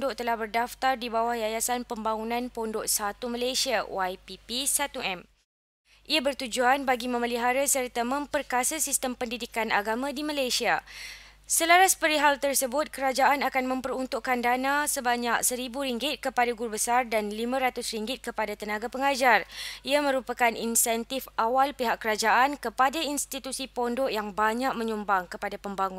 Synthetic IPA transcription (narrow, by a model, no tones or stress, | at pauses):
dʊʔt̪əlahbərdaft̪ardibawahjajasanpəmbaŋunãnpondʊʔsat̪uməlasiawajpipisat̪uʔɛm | ʔiabərt̪ud͡ʒuanbaɡimə̃məliɦaɾasərt̪amə̃mpərkasasist̪əmpəndidikana̰ɡamãdimalajsia | səlaɾaspəɾiɦalt̪ərsəbʊt̪̚kəɾad͡ʒaʔanakanmə̃mpəɾunt̪uʔkandanãsəbaɲak̚səɾibuɾiŋɡɪt̪̚kəpadaɡuɾubəsardanlimãɾat̪ʊsriŋɡɪt̪̚kəpadat̪ənãɡapəŋad͡ʒariamə̃ɾupakanʔḭnsɛnt̪ifawalpiɦaʔkːəɾad͡ʒaʔankəpadainst̪it̪usipɔndɔʔjaŋbaɲak̚mə̃ɲumbaŋkəpadapəmbaŋũn